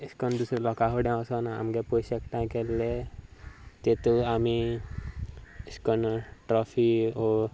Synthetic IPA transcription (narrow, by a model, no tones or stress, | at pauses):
iskɔnd̪usɾelɔkaɦoɽjãɔsɔnaa̰mɡeposekʈãj̃kelːe | t̪et̪oami | skɔnʈɾɔfiɔ